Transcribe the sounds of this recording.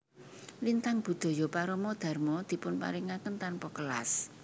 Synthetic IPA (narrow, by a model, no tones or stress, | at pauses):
lint̪aŋb̥ṳd̪̥o̤jopaɾɔmɔd̪̥a̤rmɔd̪̥i̤pʊnpa̰ɾiŋakənt̪anpɔkəla̰s